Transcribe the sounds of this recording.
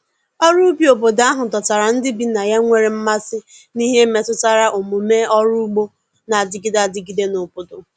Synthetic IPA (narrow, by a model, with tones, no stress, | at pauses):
ɔ˦ɾu˦bi˦o˨bo˨da˦ɦʊ˨tɔ˨ta˨ɾa˨n̩˦dɪ˦bi˦na˨ja˦ŋʷe˦ɾe˨m̩˦ma˦sɪ˦ | ni˦ɦe˦me˨tʊ˦ta˦ɾa˦ʔo˨mu˨me˦ɔ˦ɾu˦u˦ɡ͡bo˦ | na˨a˨dɪ˨˦ɡi˦da˨dɪ˦ɡi˨de˦no˨bʊ˨dʊ˨